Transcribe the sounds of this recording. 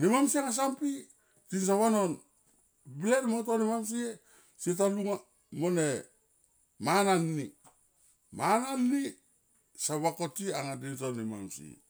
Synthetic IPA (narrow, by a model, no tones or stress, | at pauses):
nimamsiaŋas̬ampi | tins̬aβano̞n | biletmontonimams̬ie | setaluŋa | mone | mananːi | mananːi | saβakotiaŋadintonima̰msḭ